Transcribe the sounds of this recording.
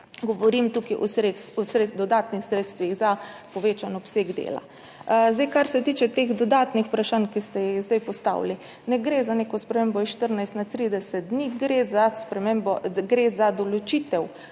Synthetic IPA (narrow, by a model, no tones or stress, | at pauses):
ɡɔʋɔɾimt̪ukiʔɔsɾet̪sɔsɾed̪ɔd̪aːt̪nixsɾeːt̪st̪ʋiɣzapɔʋeːt͡ʃanɔpseːɡd̪ḛːla̰ | zd̪ɛjkaɾsɛt̪iːt͡ʃɛt̪eːɣd̪ɔd̪aːt̪nixu̥pɾaʃankist̪ɛjiɣzd̪ɛjpɔst̪a̰wli | nɛɡɾeːzanekɔspɾɛmeːmbɔiʃt̪əɾnajst̪nat̪ːɾid̪ɛsɛt̪̚d̪niɡɾezaspɾɛmembɔɡɾezad̪ɔlot͡ʃiːt̪ɛw